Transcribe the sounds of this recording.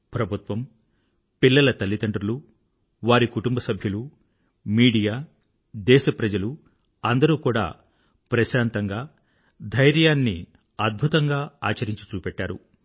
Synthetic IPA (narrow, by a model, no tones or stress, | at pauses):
pɾɐbʱut̪ʋɐm | pilːɐlɐt̪ɐlːit̪ɐɳʈɾulu | ʋaːɾikuʈumbɐsɐbʱjɐlu | miːɽijaː | d̪ɛːʃɐpɾɐd͡ʒɐlu | ɐnd̪ɐɾuːkuːɽa̰ː | pɾɐʃaːnt̪ɐŋɡaː | d̪ʱɐjɾjaːnːi | ɐd̪̚bʱut̪ɐŋɡaːaːt͡ʃɐɾiɲt͡ʃi̥t͡ʃuːpɛʈːaːɾṵ